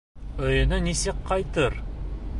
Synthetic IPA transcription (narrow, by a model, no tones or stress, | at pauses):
ɵjɵ̆nɵnisɪkqʰːɑjt̪ɤɾ